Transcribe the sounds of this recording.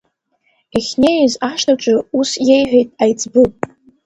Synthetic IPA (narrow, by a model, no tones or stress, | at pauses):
eχʲnejzaʃtʰaʈ͡ʂʷʼʊusjejħʷᶣejtʼajd͡zbɨpʼ